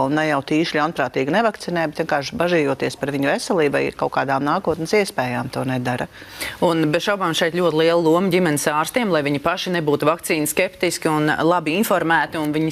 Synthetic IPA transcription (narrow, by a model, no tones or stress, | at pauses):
lnajawt̪iːʃʎʲawnpɾaːt̪iːɡnɛvakt̪sinɛːjbet̪ʋiɛnkaːʃbaʒiːjuɔt̪iɛspaɾʋiɲʊvɛsɛlˠiːba̰j̰kawkaːd̪aːmnaːkuɔt̪nsiɛspɛːjaːmt̪uɔnɛd̪aɾɐunbɛt̪ʃawbaːmʃɛjt̪lʎʲuɔt̪ɪlˠiɛlˠlˠuɔmdʲimɛnɪsaːɾst̪iɛmlˠajviɲipaʃinɛbuːt̪uvakt̪siːnskept̪iskʲiunlˠabiinfɔɾmæːt̪iunviɲi